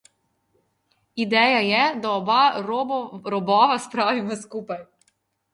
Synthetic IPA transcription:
id̪ɛːjajɛd̪aɔbaɾɾɔbɔːʋaspɾaʋimɔskuːpaj

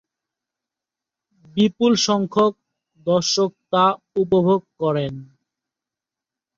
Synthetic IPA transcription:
bipulʃɔŋkʰok̚ | d̪ɔɾʃok̚t̪a | upobʱoɡ̚kɔɾen

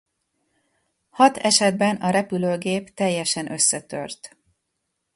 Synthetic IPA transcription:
hɒt̪ɛʃɛd̪bɛnɒɾɛpyløːɡeːpt̪ɛjːɛʃɛnʔø̞sːɛt̪ø̰rt̪

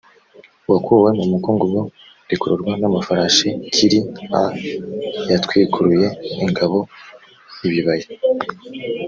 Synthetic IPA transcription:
wakuwe̞mumukuːŋɡubwo | ɾikuɾuɾɡwanamafaɾaʃikʰiɾia | jatkwiːkuɾuje̞iŋɡaβo̞ | iβiβaje

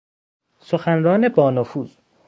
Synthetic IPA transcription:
soxænɾɒːne̞bɒːnofuːz̥

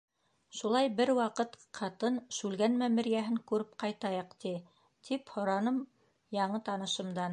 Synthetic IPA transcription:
ʃulˠɑjbɘɾwɑqɤt̪ | qʰɑt̪ɤnʃʉlɡænmæmɘ̆ɾjæɦɘŋkʉɾɘp̚qɑjt̪ɑjɤqt̪i | t̪ʰiphŏɾɑnɤm | jɑɴɤt̪ɑnɤ̆ʃɤ̆md̪ɑn

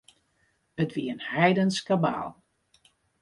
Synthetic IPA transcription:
ətʋiənhɛjdənskaba̰ːlˠ

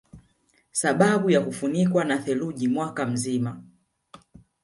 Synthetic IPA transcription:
saɓaɓujakufunikwanaθɛluʄimwakam̩zima

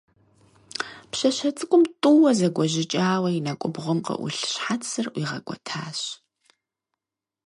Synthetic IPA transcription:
pɕɐɕɐt͡sʼɨkʷʼʊmtʼuwɐzɐɡʷɔʑɪt͡ʃʼaːwɐjinɐkʷʼʊbʁʷʊmqɐ̰ʔʷʊ̰ɬɕħat͡ssɨrʔʷiːʁɐ̰kʷʼɔ̰tʰaːɕ

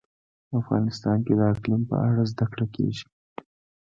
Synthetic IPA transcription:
afɣɑ̰nɪst̪ɑnked̪əaklɪmpə̰ʔaɽazd̪akɽakḛʒi̥

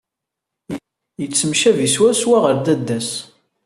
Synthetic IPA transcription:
jət͡sːəmʃæviswæɾswæʁəɾd̪æd̪ːæs

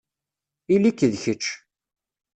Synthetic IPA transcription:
ilikːðçət͡ʃː

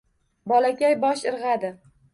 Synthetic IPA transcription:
bɒlakʲajbɒʃɪɾʁɑd̪ɪ

